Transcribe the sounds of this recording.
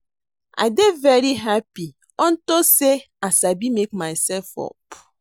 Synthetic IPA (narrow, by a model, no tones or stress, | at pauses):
a̰ɪdevɛɾiɦapi | ɔn̩tose | asabimekmaɪsɛlfɔ̰p